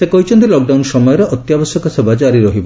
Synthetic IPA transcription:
sekɔɦit͡ʃʰɔnt̪ilɔk̚ɖawnsɔmɔjɔɾeʔɔt̪jabɔsjɔkɔsebad͡ʒaɾiɾɔɦibɔ

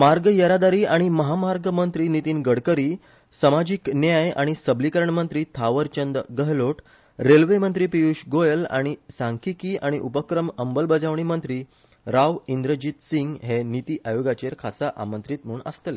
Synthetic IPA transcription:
maɾɡjəɾad̪aɾiːaɽ̃iməɦamaɾɡmənt̪ɾiːnit̪iːnɡəɽkəɾiː | səmad͡ʑiknjaja̰ɽ̃isəblikəɾəɳmənt̪ɾiːt̪ʰaʋəɾt͡ɕənd̪əɡəɦloʈ | ɾelʋemənt̪ɾiːpijuːɕɡojəla̰ɽ̃isãŋkʰikiːaɽ̃iʔupəkɾəməmbəlbəd͡zaʋɳ̃imənt̪ɾiː | ɾaʋind̪ɾəd͡ʑit̪siŋɡɦenit̪iːʔajoɡat͡ɕeɾkʰasaʔa̰mə̃nt̪ɾiːt̪m̤uːɳə̰st̪əle

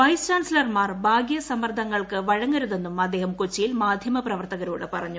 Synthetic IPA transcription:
ʋɐjst͡ɕaːnsilɐrmaːrbʱaːɡjɐsɐmɐrd̪ʱɐŋːɐɭkɨʋɐɻɐŋːɐɾuðe̞nːumɐd̪ːeːhɐmkot͡ɕːijilmaːd̪ʱjɐmɐprɐʋɐrt̪ɐɣɐɾuːɽɨpɐrɐɲːu

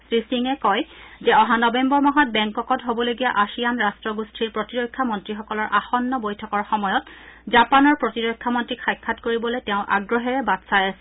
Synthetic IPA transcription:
sɹisiŋɛkɔjzɛɔɦanɔbɛmbɔɹmɔɦɔt̚bɛŋkɔkɔtɦobɔloɡijaʔasijanɹastɹɔɡustʰiɹpɹotiɹojkʰːamɔntɹixɔkɔlɔɹʔaxɔnːɔbojtʰɔkɔɹxɔmɔjɔtzapanɔɹpɹotiɹojkʰːamɔntɹikʰajkʰːatkoɹibɔlojtɛʊ̃ʔa̰ɡɹɔɦɛɹɛbatsajasɛ

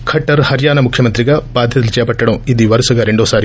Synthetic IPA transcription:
kʰɐʈːɐɾhɐɾjaːnɐmukʰjɐmɐnt̪ɾiɡɐbaːd̪ʱjɐd̪ɐlit͡ʃɐjɐpɐʈːɐɽɐmid̪iʋɐɾɐsɐɡɐɾeɳɖoːsaːɾi

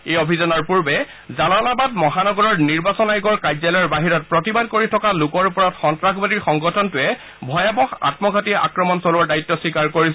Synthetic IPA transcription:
ejɔbʱizɔnɔɹpuɹbɛ | zalalabadmɔɦanɔɡɔɹɔɹniɹbasɔnajɡɔɹkajzalɔɔɹbaɦiɹɔt̚pɹɔtibad̚koɹitʰɔkalukɔɹupɔɹatxɔntɹaxbadiɹxɔŋɡɔtʰɔntʊɛ | bʱɔjabɔxa̰tmɔɡʱatia̰kɹɔmɔnsɔlɔɹdaitːɔswikaɹkoɹis

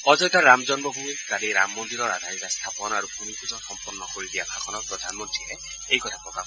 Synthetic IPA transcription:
ɔzɔjtaɾamzɔnbɔbʱumikaliɾamːɔnd̪iɾɔɾad̪ʱaɾit̪ast̪ʰapɔnɔaɾubʱumipuzɔxɔmpɔrnːɔkoɹid̪ijakʰakʰɔnɔkpɹɔd̪ʱanmɔntɹilɛ | ejkɔtʰapɹɔka

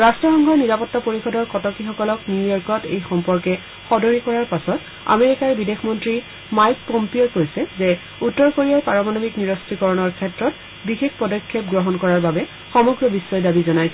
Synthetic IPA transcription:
ɹastɹɔxɔŋɡʱɔɹniɹapɔtːapoɹixɔdɔɹkɔtɔkixɔkɔlɔknujɔɹkɔtḛjxɔmpɔɹkɛ | xɔdɔɹikɔɹaɹpasɔt | a̰meɹikaɹbidexʰmɔntɹi | majk̚pɔmpiokoɹjsɛze | utːɔɹkoɹiapaɹɔmanomikniɹɔstikɔɹɔnɔɹkʰɛtɹɔt | bixekʰpɔdɔkʰːɔp̚ɡɹɔɦɔnkɔɹaɹbabɛ | xɔmɔɡɹɔbisːɔjdabizɔnaj

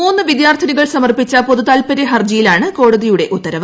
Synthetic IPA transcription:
uːnːɨʋid̪jaːrt̪ʰɐniɣɐɭsɐmɐrpit͡ɕːɐpo̞ðut̪aːlpɐɾeɦɐrd͡ʑɐjilaːɳɨko̞ːɽɐðijuɽe̞ʔut̪ːɐɾɐʋ

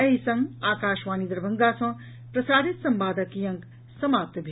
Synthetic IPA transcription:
ɐɦisʌŋaːkaːʃʋaːnid̪ɾbʱɐŋɡasʰʌ̃ | pɾɐsaːɾit̪sɐmbaːd̪ɐkijɐ̃ŋk | sɐmaːp̚t̪bʱi

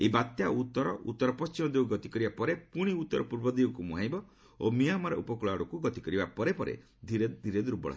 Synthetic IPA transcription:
ebat̪jaut̪ːɔɾɔʔṵt̪ːɔɾɔpɔst͡ʃimɔd̪euɡɔt̪ikɔɾibapɔɾepuɽ̃iut̪ːɔɾɔpuɾbɔd̪iɔkumuɦajbɔ | omijamaɾɔ̰ʔupɔkuɭaɽɔkuɡɔt̪ikɔɾibapɔɾepɔɾḛ | d̪ʱiɾed̪ʱiɾed̪uɾbɔ̰ɭa

